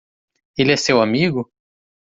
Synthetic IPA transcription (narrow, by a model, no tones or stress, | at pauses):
eliɛsewamiɡʊ